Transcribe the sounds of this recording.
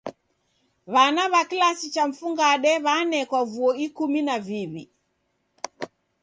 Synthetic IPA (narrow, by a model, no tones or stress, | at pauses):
βanaβakilasit͡ʃam̩fuŋɡaɗɛβanɛkwavuɔikuminaviβi